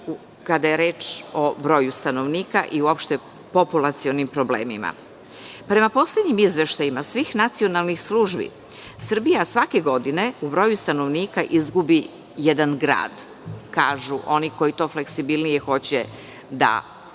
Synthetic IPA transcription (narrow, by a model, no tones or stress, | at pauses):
u | kad̪ajeɾeːt͡ʃo̞bɾo̞ːjust̪ano̞ʋniːkaʔiuopʃt̪e̞ | populˠat̪sio̞nimpɾo̞blḛːmima̰ | pɾe̞mapo̞sled̪ɲimizʋe̞ʃt̪ajimasʋiːxnat̪sio̞nalˠnixsluʒbḭ | sr̩bijasʋake̞ɡo̞d̪ine̞ubɾo̞ːjust̪ano̞ʋniːkaʔizɡubi | jed̪anɡɾa̰ːd̪ | kaːʒuʔo̞niko̞jit̪o̞ːfleksibilnijexo̞t͡ɕe | d̪a̰